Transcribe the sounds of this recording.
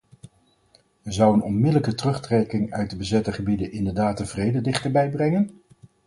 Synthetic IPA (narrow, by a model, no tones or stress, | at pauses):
əzɑwənɔnmɪdələkətrɵχtrɛkɪŋœɥt̚dəbəzɛtəχəbidəʔɪndəɹdaːtəv̥rejdədɪχtəɹbɛjbrɛŋən